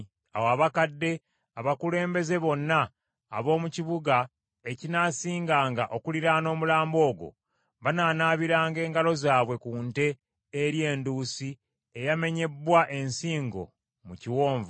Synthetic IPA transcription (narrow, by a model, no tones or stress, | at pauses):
awaβakadːe̞ | aβakule̞ːmbe̞ze̞βo̞nːa̰ː | βo̞ːmuciβuɡa | ecinaːsiːŋɡaːŋɡaʔo̞kuliɾaːno̞ːmulaːmbo̞ːɡo̞̰ | βanaːnaːβiɾaːŋɡe̞ːŋɡalo̞zaːβwe̞kuːnte̞ː | ɾje̞ːnduːsi | ejame̞ɲe̞bːwaʔe̞nsiːŋɡo̞̰ | muciwo̞ːɱvu